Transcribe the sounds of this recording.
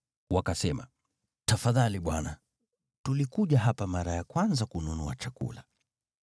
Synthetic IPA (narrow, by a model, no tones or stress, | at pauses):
wakasɛma | tafaðaliɓwana | tulikuʄaɦapamaɾajakwanzakununɔat͡ʃakṵla